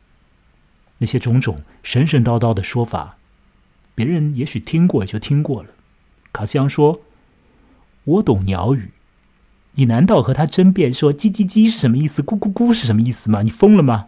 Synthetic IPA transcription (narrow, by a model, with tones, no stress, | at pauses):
na˥˩ɕjɛ˥ʈ͡ʂʊ˧˥ŋʈ͡ʂʊ˨˩˦ŋ | ʂə˧˥nʂə˥˧nt̪ɑ˥˧ʊt̪ɑ˥˩ʊd̪ə˩ʂwɔ˥fa̰˨˩˦ | pjɛ˧˥ɻə˧˥njɛ˧˥ɕy˨˩t̪ʰi˥ŋkwɔ˥˩˨t͡ɕjo˥˩ʊt̪ʰi˥ŋkwɔ˥˩lə˩ | kʰa˨˩ɕjɑ˥ŋʂwɔ˥ | wɔ˧˥t̪ʊ˨˩ŋnjɑ̰˧˥ʊy˨˩˦ | ni˨˩na˧˥nt̪ɑ˥˩ʊxɤ˧˥t̪ʰa˥ʈ͡ʂə˥npjɛ˥˩nʂwɔ˥t͡ɕi˥t͡ɕi˥t͡ɕi˥ʂɻ̩˥˩ʂə˧˥nmə˧i˥˩sɹ̩˩ku˥ku˥ku˥ʂɻ̩˥˩ʂə˧˥mə˧i˥˩sɹ̩˨˩mɐ˩ni˨˩fɤ˥ŋlə˨mɐ˩